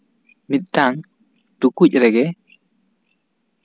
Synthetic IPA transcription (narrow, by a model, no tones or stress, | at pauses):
mit̪̚ˀtaŋ | tukuc̚ɾɛɡɛ